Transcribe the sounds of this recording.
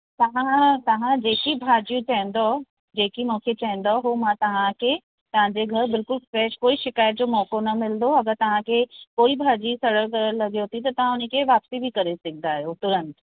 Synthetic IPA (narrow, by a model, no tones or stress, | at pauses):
t̪ɐʋãt̪ɐʋãd͡ʑeːkibʱaːd͡ʑijũt͡ɕɐɦɛ̃n̆d̪o | d͡ʑeːkimɔ̃ːkʰet͡ɕɐɦɛ̃nd̪oɦomãt̪ɐʋ̤ãkʰe | t̪ɐʋ̤ãɲd͡ʑeɡʱɐɾbɪlkʊlfɾɛːʃkoːiʃɪkaːjət̪̚d͡ʑoːmɔːkonɐmɪld̪oɐɡəɾt̪ɐʋ̤ãkʰekoːibʱaːd͡ʑisɐɽəklɐɡijot̪ʰit̪ɐt̪ɐʋ̤ãʊnikʰeʋaːpsibʱikɐɾesɪkʰd̪aɦejot̪ʊɾə̃nt̪